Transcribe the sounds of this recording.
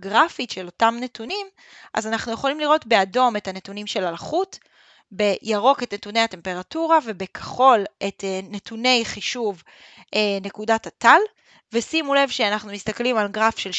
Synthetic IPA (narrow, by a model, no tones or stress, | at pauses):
ɡʁafitʃelo̞tamne̞tunim | ʔa̰zanaχnujeχo̞limliʁo̞tbe̞ado̞methanetunimʃe̞lalχut | be̞jaʁo̞ke̞tnetunejate̞mpe̞ʁatuʁave̞bekʰḁχo̞lʔetenetune̞jχiʃuv | ʔene̞kudatatal | ve̞simule̞vʃeanaχnumist̪aklimalɡʁafʃe̞l